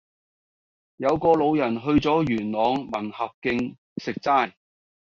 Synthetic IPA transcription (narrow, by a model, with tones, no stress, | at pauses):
jɐ˨˧wkɔː˧lo˨˧wjɐ˨˩nɦɵ˧ɥt͡sɔː˨˥jyː˨˩nlɔː˨˧ŋmɐ˨˩nhɐ˨p̚kɪ˧ŋ | sɪ˨k̚t͡saː˥j